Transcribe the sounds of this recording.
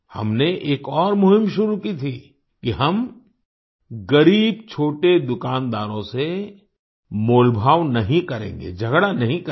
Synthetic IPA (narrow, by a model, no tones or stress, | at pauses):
hɐ̰mneʔeːkɔːɾmʊɦɪ̃mʃʊɾukit̪ʰi | kiɦɐm | ɡɐɾiːb̚t͡ʃʰoːʈed̪ʊkaːnd̪a̰ːɾõse | moːlbʱaːʋnɐɦĩkɐɾḛ̃ːŋɡḛd͡ʒʱɐɡɽanɐɦĩk